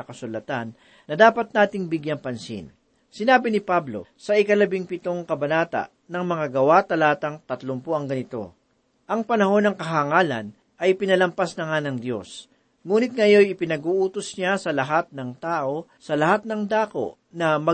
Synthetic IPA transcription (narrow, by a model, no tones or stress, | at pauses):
ɐkɐsʊlɐt̪anː | ɐd̪aːpɐt̪̚naːt̪ɪŋbɪɡjaŋpɐnsḭn | sɪnaːbɪnɪpablo̞̰sɐʔɪkɐlɐbɪŋpɪt̪o̞ŋkɐbɐnaːt̪ɐ̰ʔ | nɐŋmɐŋaɡɐwat̪ɐlaːt̪ɐŋt̪ɐt̪lʊmpoɐŋɡɐnɪt̪o̞̰ | ʔɐŋpɐnɐho̞nɐŋkɐɦaŋaːlɐ̰n | ʔɐjpɪnɐlɐmpasnɐŋanɐŋd̪jo̞̰s | ŋuːnɪt̪̚ŋɐjo̞jɪpɪnɐɡuːʔuːt̪osɲasɐlɐɦat̪̚nɐŋt̪aːʔo̞ | sɐlɐhat̪̚nɐŋd̪aːko̞̰ | nɐmɐ